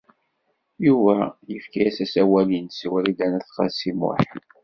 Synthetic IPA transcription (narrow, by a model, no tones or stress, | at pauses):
juvæjəfkijæsæsæwælinsiwæɾid̪ænæθχɑsimʊ̰ħ